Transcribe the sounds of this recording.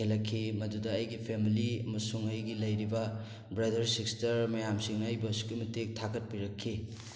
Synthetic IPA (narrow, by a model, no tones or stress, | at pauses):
elɐkʰːimɐdudɐːjɡipʰemiliɐmɐsuŋɐjɡilɐjɾibɐ | bɾadɐɾsikstɐɾmɐjamsiŋɐjbɐsi̥kumitek̚tʰakɐt̚piɾɐkʰːi